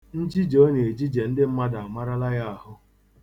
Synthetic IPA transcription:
n̩˦d͡ʒi˦d͡ʒo˦ne˨e˨d͡ʒi˦d͡ʒe˨n̩˦dɪ˦m̩˦ma˦da˨a˨ma˦ɾa˦la˦ja˦a˨ɦʊ˦

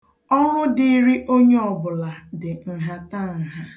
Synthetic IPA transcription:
ɔ˦ŋʊ˦dɪ˨˦ɾi˦ʔo˦ɲe˦ɔ˨bʊ˨la˨dɪ˨ŋ̩˨ɦa˦ta˦˨ŋ̩˨ɦa˦

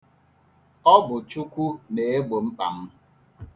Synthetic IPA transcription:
ɔ˦bʊ˨t͡ʃu˦kʷu˦ne˨e˦ɡ͡bo˨ŋ͡m̩˦k͡pa̰˨m̩˦

